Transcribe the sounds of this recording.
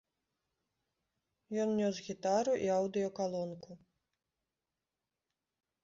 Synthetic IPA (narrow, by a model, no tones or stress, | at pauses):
jɔnnʲɔsɣʲit̪aɾuʔiawd̪ɨjɔkalˠɔnku